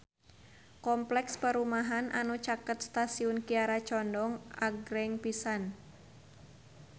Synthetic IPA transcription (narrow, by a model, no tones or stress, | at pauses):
kɔmplɛkspəɾumaɦanʔa̰nut͡ʃakət̪̚st̪asiʊnkiaɾat͡ʃɔndɔŋaɡɾɛŋpisan